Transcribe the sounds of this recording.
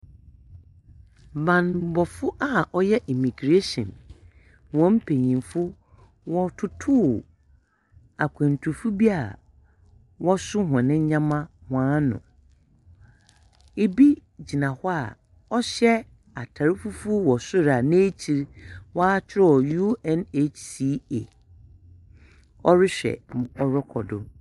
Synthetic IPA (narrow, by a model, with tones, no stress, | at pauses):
mbã˨n˨˦bɔ˨fʊ˦ʔa˨ɔ˦jɛ˦ʔi˨mĩ˨ɡɾe˦sɔ̰̃˨n | wɔ̃˨˦m̩˦pʰe˨ɲĩ˨mfʊ˦ | wɔ˦tʰʊ˦tʰʊː˦ | a˨kʷʰɛ̃˨n˨tʰu˨ɾfu˦bi˦a̰˨ | wɔ˦sʊ˦ɦã˨nɪ̃˦ɲ˦ɲã˦mã˦hʊ̃˨ã˨˦nʊ̰̃˨ | e˨bi˦d͡ʑi˨nã˨hɔ˦a̰˨ | ɔ˦ɕɛ˦ | a̰˨tʰa˨ɾɪ˦fu˦fu˦wɔ˨sʊ˦ɾa˨nɪ̃˦e˦t͡ɕʰi˨ɾwaː˦t͡ɕʰɪ˦ɾɔ˦˨ju˦ɛ̃˨ne˨si˨˦e˨ | ɔ˦ɾɪ˦ɕᶣɛ̰˨ɔ˨ɾɔ˦kʰɔ̰˨dʊ˨